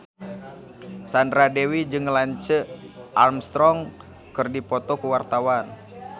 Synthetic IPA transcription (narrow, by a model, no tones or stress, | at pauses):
sandɾadewid͡ʒɨŋlaɲt͡ʃəʔarmst̪ɾɔŋ | kɨrdipɔt̪ɔkuwart̪awan